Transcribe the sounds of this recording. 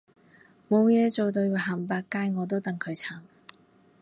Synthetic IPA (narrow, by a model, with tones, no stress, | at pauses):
mo˨˧wjɛː˨˧t͡so˨wt̪ɵ˧ɥwa˨˩ɦaː˨˩mp̬aː˧kːaː˧jŋɔː˨˧t̪̬o˥wt̪ɐ˨ŋkʰɵ˨˧ɥt͡sʰaː˨˩m